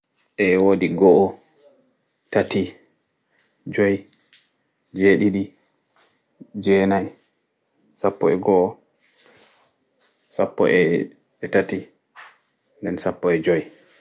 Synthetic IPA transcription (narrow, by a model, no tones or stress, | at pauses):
ʔɛwodiɡɔʔɔ | tati | d͡ʒɔj | d͡ʒeɗiɗi | d͡ʒɛnaj | sapːɔɛɡɔʔɔ | sapːɔ̰ʔɛ | ɛtati | ndɛnsapːɔɛd͡ʒɔj